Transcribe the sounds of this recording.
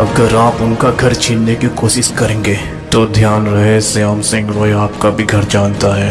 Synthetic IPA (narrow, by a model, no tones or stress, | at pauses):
ɐɡəɾaːpʊnkaɡʱɐɾt͡ʃʰiːnːekikoːʃɪskɐɾẽːŋɡeː | t̪od̪ʱjaːnɾɐɦesɐjaːmsɪ̃ŋɡʋoːeaːp̚kabʱiɡʱɐɾd͡ʒaːnt̪aɦɛː